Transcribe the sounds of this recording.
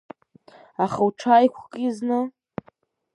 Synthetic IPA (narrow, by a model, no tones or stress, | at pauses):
aχawʈ͡ʂʰajkʷʰkʼiznɨ